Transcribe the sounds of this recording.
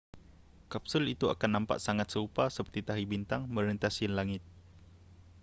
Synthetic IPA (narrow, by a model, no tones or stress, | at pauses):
kap̚sʊlit̪ua̰kanːãmpa̰ʔsaŋat̪̚səupasəpərt̪it̪aɦibint̪aŋmə̃ɾənt̪asinlaŋɪt̪̚